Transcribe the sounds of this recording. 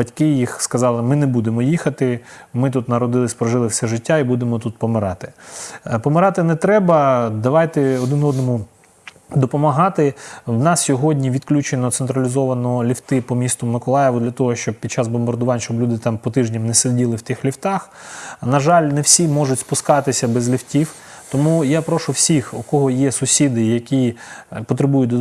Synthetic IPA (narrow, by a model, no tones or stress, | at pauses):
bɐtʲkɪjixskɐzɑlˠɪmɪnɛbud̪emɔjixɐt̪ɪmɪt̪̬ut̪nɐɾɔd̪ɪlˠɪsʲpɾɔʒɪlˠɪwsʲɛʒɪtʲːaibud̪emɔt̪ut̪̚pɔmɪɾɑt̪ɪ̥pɔmɪɾɑt̪ɪnɛt̪ɾɛbɐd̪ɐʋɑjt̪ɛɔd̪ɪnɔd̪nɔmʊ | d̪ɔpɔmɐɦɑt̪ɪwnɑssʲɔɦɔdʲnʲiʋʲid̪klʲut͡ʃenɔt̪sent̪ɾɐlʲizɔʋɐnɔlʲiwt̪ɪpɔmʲist̪ʊmɪkɔlˠɑjɛʋʊd̪lʲɐt̪ɔɦɔʃt͡ʃɔb̚pʲid̪t͡ʃɑzbɔmbɐrd̪ʊʋɑnʲʃt͡ʃɔblʲud̪ɪt̪ɑmpɔt̪ɪʒnʲɐmnɛsedʲilˠɪwt̪ɪxlʲiwt̪ɑxnɐʒɑlʲnɛwsʲimɔʒʊtʲspʊskɑt̪ɪsʲɐbɛzlʲiwtʲiw | t̪ɔmujapɾɔʃʊwsʲixukɔɦɔjɛsʊsʲid̪ɪjɐkʲipɔt̪ɾɪbujʊd̪